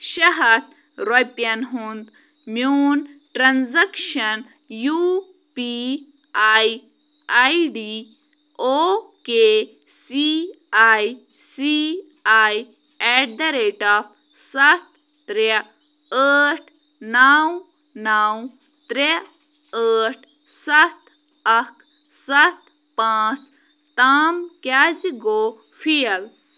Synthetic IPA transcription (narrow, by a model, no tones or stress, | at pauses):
ʃɐɦɐt̪̚ʰ | ɾojpjɐnɦund̪ | mjuːnʈɾanzɐkʃɐn | ju | pi | aj | ajɖi | oke | si | aj | si | aj | ɛɖd̪ɐɾeːʈap | sɐt̪̚ː | ɾe | əːʈʰ | naw | naːw | t̪ɾe | əːʈ | sɐt̪ | ɐkʰ | sɐt̪ | pãːt͡s | t̪aːmkad͡ʒɡoː | fʰijɐl